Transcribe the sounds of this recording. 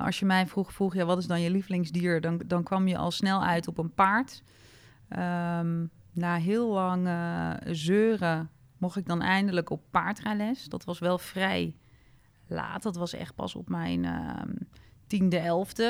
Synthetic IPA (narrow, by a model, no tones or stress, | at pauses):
ʔɔ̰sjəmɛjfruxfruxjaːʋɔtɪsdɔnjəliflɪŋsdiəɹdɔdɔnkʋɑmjəʔɔ̰lˠsnɛlˠœ̰ɥtɔpənpaɹt | əmnaːɦɪəlˠlɑŋəzøːrə | moxɪɡ̚dɔnɛjndələkopːaɹtrɛlɛsdɔtʋɔsʋɛlˠfrɛj | la̰ːtdɔtʋɑsɛ̰xt̚pɑ̰so̰pmɛ̰jnə̰ | tindəɛlˠftə